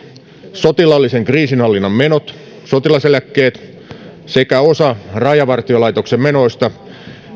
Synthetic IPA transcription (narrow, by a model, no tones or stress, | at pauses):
so̞t̪ilɑlːiseŋkriːsinhɑlːinːɑmmenot̪ | sot̪ilɑselækːe̞ːt̪ | sekæosɑrɑjɑʋɑrt̪iolɑit̪oksemmeno̞ist̪ɑ